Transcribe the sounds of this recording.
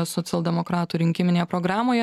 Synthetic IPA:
sɔt̪sʲɛlˠd̪ʲɛmokɾɑːt̪uːɾʲɪŋʲkʲɪmʲɪnʲeːjɛpɾoːɡɾɑːmoːjɛ

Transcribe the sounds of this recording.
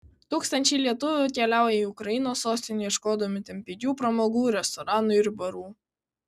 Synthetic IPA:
t̪uːkst̪ɐnʲt͡ʃʲɛɪlʲiɛt̪ʊʋʲʊkʲɛlʲæˑʊjɛiːʊkɾɐjɪnoːsːoːsʲt̪ʲɪnʲɛːjɛʃkoːd̪ɐmʲɪt̪ʲɛmʲpʲɛɡʲuːpɾɐmoːɡuːɾʲɛst̪ɔɾɑːnʊɪɾbɐɾuː

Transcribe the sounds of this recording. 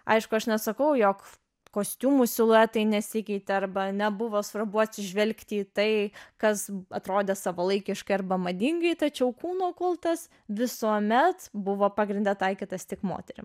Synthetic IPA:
ɐ̰ɪʃkʊɐʃnʲɛsɐkɐʊjoːk | koːsʲt̪ʲuːmusʲɪlˠʊɛt̪ɐɪnʲɛsʲɪkʲɛɪt̪ʲɛɐrbɐnʲɛbʊʋoːsʋɐɾbʊɐtʲsʲɪʒʲʋʲɛlʲkt̪ʲɪiːt̪ɐɪkɐsɐt̪ɾoːd̪ʲeːsɐʋɐlˠɐɪkʲɪʃkɐɪɐrbɐmɐd̪ʲɪŋɡɐɪt̪ɐt͡ʃʲɛʊkuːnoːkʊlˠt̪ɐs | ʋʲɪsuɔmʲɛt̪bʊʋoːpɑːɡɾʲɪnʲd̪ʲɛt̪ɐɪkʲiːt̪ɐst̪ʲɪkmo̰ːt̪ʲɛɾʲɪ̰m

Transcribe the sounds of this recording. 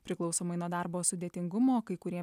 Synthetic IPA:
pʲɾʲɪklˠɐʊsoːmɐɪnuɔd̪ɑɾboːsʊd̪ʲeːt̪ʲɪŋɡʊmoːkɐɪkʊɾʲiɛ

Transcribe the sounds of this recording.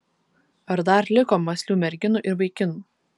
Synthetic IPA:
ɐɾd̪ɐɾlʲɪkoːmɐsʲlʲuːmʲɛɾʲɡʲɪnuˑʔɪɾbɐɪkʲɪnuː

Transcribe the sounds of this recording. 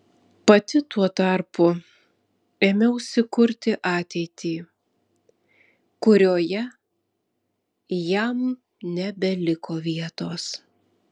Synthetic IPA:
pɐt̪ʲɪt̪uɔt̪ɐɾpʊ | eːmʲɛʊʃʲsʲɪkʊɾʲt̪ʲɪʔɑːt̪ʲɛɪt̪ʲiː | kʊɾʲoːjɛ | jɛm | nʲɛbʲɛlʲɪkoːʋʲiɛt̪oːs

